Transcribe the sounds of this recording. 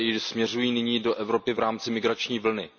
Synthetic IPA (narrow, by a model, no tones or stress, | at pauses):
ɪsmɲɛrujiːnɪɲiːdoʔɛvɾo̞pɪvɾaːmt͡sɪmɪɡɾat͡ʃɲiːvl̩nɪ